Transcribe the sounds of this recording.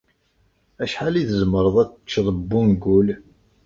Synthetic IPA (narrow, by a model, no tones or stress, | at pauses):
æʃħaliðəzməɾˤəðˤæt͡st͡ʃːðˤəbːunɡʊl